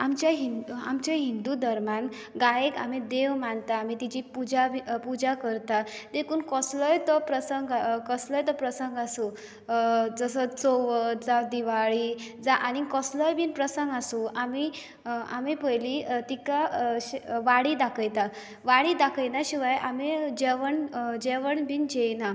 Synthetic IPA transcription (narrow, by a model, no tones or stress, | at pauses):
amt͡ɕjaɦina̰mt͡ɕaɦind̪ud̪əɾman | ɡajeka̰m̤id̪eʋmant̪aːmit̪id͡ʑipud͡ʑabipud͡ʑakəɾt̪ad̪ekuːnkɔsləjt̪əpɾəsəŋɡkɔsləjt̪əpɾəsəŋɡasũ | d͡zəsət͡soʋəd͡zad̪iʋaɭiːd͡zaʔañikɔsləjbiːnpɾəsəŋɡasũami | a̰mipəjlit̪ikaɕʋaɽid̪akʰəjt̪a | ʋaɽid̪akʰəjnaɕiʋajʔamed͡ʑɛʋəɳd͡ʑɛʋəɳbiːnd͡ʑejna